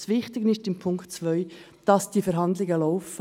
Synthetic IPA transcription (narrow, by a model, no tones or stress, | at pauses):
sʋɪχtɪɡnɪʃtɪmpʰʊŋktt͡svœʏ | d̥ɑsd̥ifɛɾɦɑndlɪɡəlɔʊfə